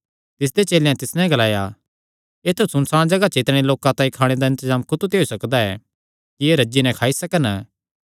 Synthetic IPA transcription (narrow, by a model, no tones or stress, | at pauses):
t̪ɪs̬d̪et͡ʃeːleãt̪ɪsnɛ̃ɡɐlaːja | eːt̪ʰusʊnsaːɽãd͡ʒɐɡat͡ʃɪt̪ɽ̃eloːkãt̪ãːĩkʰaːɽ̃ed̪aɪ̃nt̪əzaːmkʊt̪ut̪eːusɐkd̪aɛ̰ː | kieːɾɐd͡ʒinɛ̃kʰaːisɐkən